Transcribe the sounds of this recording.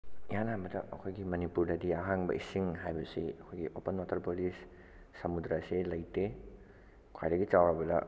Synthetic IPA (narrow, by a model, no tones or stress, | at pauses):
janambɐdaʔɐkʰojɡimɐnipuɾdadijaɦaŋbɐ̰ʔisiŋɦajbɐsiɐkʰojɡiʔopənwatɐɾpolisː | ɐmudɾaselɐjte | kʰa̰jdaɡit͡ʃawɾabɐla̰